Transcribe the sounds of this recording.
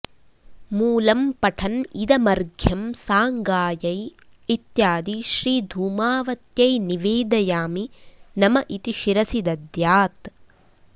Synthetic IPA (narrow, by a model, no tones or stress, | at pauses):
muːlɐmpɐʈʰɐnid̪ɐmɐɾɡʱjɐmsaːŋɡaːjɐj | it̪jaːd̪iʃɾiːd̪ʱuːmaːʋɐt̪jɐjniʋeːd̪ɐjaːminɐmɐʔit̪iʃiɾɐsid̪ɐd̪jaːt̪